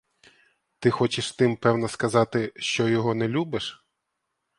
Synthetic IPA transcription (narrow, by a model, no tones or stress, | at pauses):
t̪ɪxɔt͡ʃɪʃt̪ɪmpɛwnɐskɐzɑt̪ɪʃt͡ʃɔjɔɦɔnɛlʲubɪʃ